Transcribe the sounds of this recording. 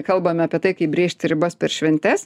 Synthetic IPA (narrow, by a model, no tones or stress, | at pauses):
kɐlˠbɐmʲɪɐpʲiɛt̪ɐɪkɐɪbʲɾʲeːʃʲt̪ʲɪɾʲɪbospʲɛɾʃʲʋʲɛnʲt̪ʲɛs